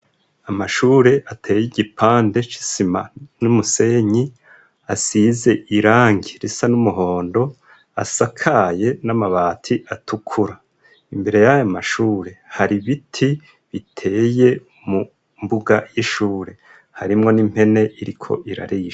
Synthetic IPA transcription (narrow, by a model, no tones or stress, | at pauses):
amaʃuːɾe̞ʔatʰe̞ːjiɟipʰaːnde̞t͡ʃi̥sima̰numuse̞ːɲi | asize̞ʔiɾaːŋɡiɾisanumuɦo̞ːndo̞ | a̰sakʰaje̞namaβaːtʰiʔatʰukʰuɾa | imbe̞ɾe̞jajamaʃuːɾe̞haɾiβitʰi | βitʰe̞ːje̞ | mu | mbuɡajiʃuːɾe̞ | haɾimŋo̞nim̥he̞ne̞ʔiɾikʰo̞̰ʔiɾa̰ɾiʃ